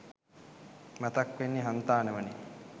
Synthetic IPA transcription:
mat̪akʋenːiɦant̪aːnəʋəni

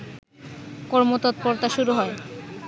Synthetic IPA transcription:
kɔɾmot̪ɔt̪̚poɾt̪aʃuɾuɦɔe

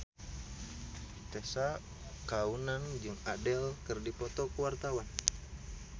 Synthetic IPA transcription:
t̪ɛsa | kaunand͡ʒɨŋadɛlkɨrdipɔt̪ɔkəwart̪awan

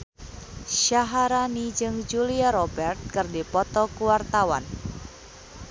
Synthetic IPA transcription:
ʃaɦaɾanid͡ʒɨŋd͡ʒuliaɾɔbɛrt̪̚kɨrdipɔt̪ɔkuwart̪awa̰n

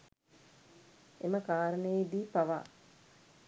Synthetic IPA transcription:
eməkaːɾəneːd̪iːpaʋa̰ː

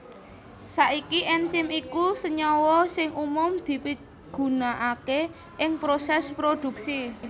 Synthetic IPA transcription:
saʔikiʔɛnsɪmikusəɲɔwɔsɪŋumʊmd̪̥i̤pi | ɡ̥ṳnaʔake | ʔɪŋpɾosɛspɾod̪̥ṳksi

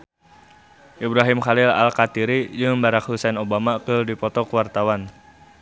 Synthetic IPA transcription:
ʔibɾaɦimxalɪla̰lkat̪iɾid͡ʒɨŋbaɾak̚husɛnobamakɨrdipɔt̪ɔkəwart̪awan

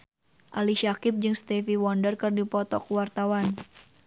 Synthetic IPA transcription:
ʔaliʃakɪp̚d͡ʒɨŋst̪ɛfiwɔndərkɨrdipɔt̪ɔkuwart̪awan

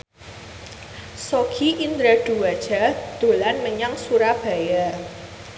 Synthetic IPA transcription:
soɡiʔind̪ɾaɖ̥uwḁd͡ʒ̥a̤d̪̥o̤lanməɲaŋsuɾab̥a̤ja

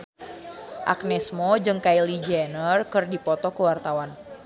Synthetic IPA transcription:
ʔa̰k̚nɛsmɔd͡ʒɨŋkailid͡ʒɛnərkɨrdipɔt̪ɔkəwart̪awan

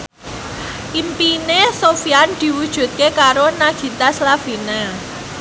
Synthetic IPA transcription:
ʔimpinesofiand̪̥i̤wud̥ʒ̥ṳt̪̚kekaɾonaɡ̥i̤t̪aslav̥i̤na

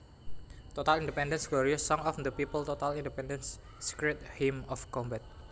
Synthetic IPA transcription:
t̪ot̪alĩndepɛ̃ndə̃nsɡ̥loɹiɔsːɔŋɔfd̪əpipəlt̪ot̪alindɛpɛndənsː | i̥kɹɛt̪̚himɔfkɔmbat̪̚

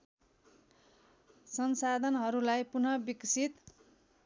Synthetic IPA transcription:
sʌnsad̪ʱʌnɦʌɾulajpunʌbiksʰit̪

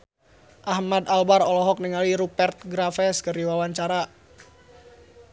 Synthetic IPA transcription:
ʔahmad̪albarɔlɔɦɔk̚niŋaliɾupɛrt̪̚ɡɾafɛskəriwawaɲt͡ʃaɾa

